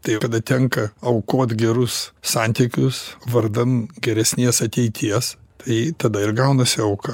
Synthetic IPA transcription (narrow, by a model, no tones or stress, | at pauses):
t̪ɐɪkɐd̪ɐt̪ʲɛŋkɐɐʊkoːt̪ɡʲɛɾʊssɑnʲt̪ʲikʲʊsʋɐɾd̪ɐnɡʲɛɾʲɛsʲnʲiɛsɐt̪ʲɛɪt̪ʲʰiɛst̪ɐɪt̪ɐd̪ɐɪrɡɐʊnɐsʲɪɐʊkɐ